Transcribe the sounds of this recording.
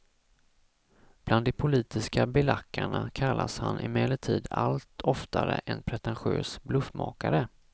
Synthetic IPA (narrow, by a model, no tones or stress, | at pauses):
b̥land̪ːɛpʰʊliːt̪ɪskabɪlakːaɳakʰalːʔashanʔɪmɛːləʈʰiːd̪alt̪ʰɔft̪aɾə̰ʔɛnpʰɾɛt̪ɛnɧø̰ːsblɵfmɑ̰ːkaɾə